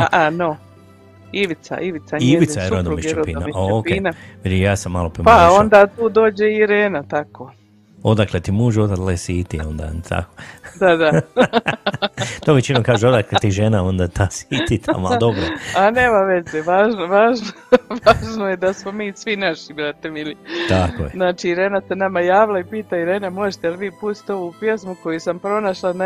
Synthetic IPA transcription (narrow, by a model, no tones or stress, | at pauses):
aʔano | iʋit̪sa̰ʔiʋit̪saieʋit̪aseɾod̪omiʃeɾodpiːna̰maokpienaʋid̪ijaːsamːaːlopɾimpao̞nd̪aːt̪uːd̪o̞ːd͡ʑeiiɾeːnat̪ako | od̪aklet̪imuːʒot̪at̪lesiːt̪iond̪a̰t̪a̰kod̪ad̪a | t̪oʋet͡ʃinokaːʒeo̞d̪aklet̪iʒenao̞nd̪at̪ʰasiːt̪it̪ʰa̰mad̪obɾoane̞ːmaʋe̞zeʋaːʒnoʋaːʒnoʋaːʒnojed̪asmomiːsʋinaʃibɾat̪emilit̪ako̰jeznaːt͡ʃiːɾe̞ːnase̞namajaːʋilˠaipiːt̪aiɾe̞ːnamo̞ʒet̪eelʋiːpust̪i̥t̪o̞ʋupje̞smuko̞jisampɾo̞naʃlˠana